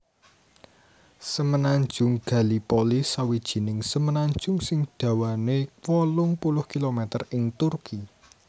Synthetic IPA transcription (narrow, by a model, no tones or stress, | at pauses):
səmənaɲd͡ʒʊŋɡ̥ä̤lipolisawid̥ʒ̥i̤nɪŋsəmənaɲ̥d͡ʒ̥ʊŋsɪŋɖ̪̥ä̤wanewɔlʊŋpulʊhkilomɛt̪ərɪŋt̪urki